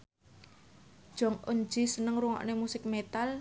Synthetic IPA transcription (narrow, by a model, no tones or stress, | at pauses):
d̥ʒ̥ɔ̤ŋʔond͡ʒisənəŋruŋɔ̰ʔnemusɪk̚met̪al